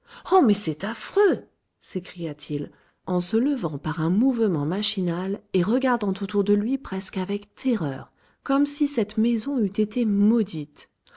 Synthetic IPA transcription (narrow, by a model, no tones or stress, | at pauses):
ɔmɛsɛt̪afχø | sekχijat̪ʰil | ɑ̃sələvɑ̃paʁɛ̃muvmɑ̃maʃinaleʁəɡaʁd̪ɑ̃t̪ot̪uʁd̪əlɥipχɛskavɛkt̪ʰɛʁœ̰ːʁ | kɔmsisɛt̪mɛzɔ̃yt̪et̪emɔd̪it̪